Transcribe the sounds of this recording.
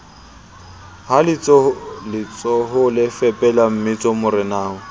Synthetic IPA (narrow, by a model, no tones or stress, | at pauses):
halɪlɪt͡sʼɔɦʊlɪfɛpʼɛlam̩mɪt͡sʼɔmʊrɪnaːʊ